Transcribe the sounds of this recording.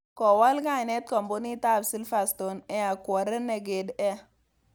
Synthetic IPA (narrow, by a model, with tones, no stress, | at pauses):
kɔ˨wa˦lka˦˨ne˦t̪̚kɔ˨mbo˦ni˦ta˦˨bsi˦lfa˨st̪o˨nɛ˦a˨kwa˨ɾe˦ne˨ɡe˨dɛ˦